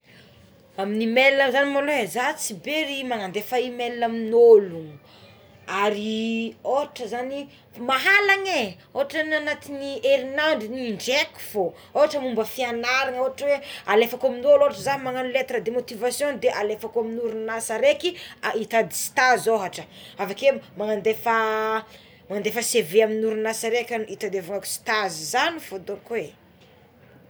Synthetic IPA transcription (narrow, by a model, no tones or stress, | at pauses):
aminimelnəzanimolowezat͡sibeɾimaŋand̪efaimelnaminolu | aɾioɦaʈ͡ʂəzani | maɦalaŋe | oɦaʈ͡ʂənanat̪iniʔeɾinaɳɖ͡ʐiniiɳɖ͡ʐeku̥fo | oɦaʈ͡ʂəmumbəfianaɾaŋoɦaʈ͡ʂəwealefakoaminoloɦaʈ͡ʂəzanimaŋanulet̪ɾad̪emot̪ivasjõd̪eʔalefakoaminuɾunasaɾekiait̪ad̪i̥si̥t̪azoɦaʈ͡ʂəavakemaŋand̪efa | maŋand̪efəseveaminuɾunasaɾekʲanit̪ad̪avaŋaku̥si̥t̪azizanifod̪okwe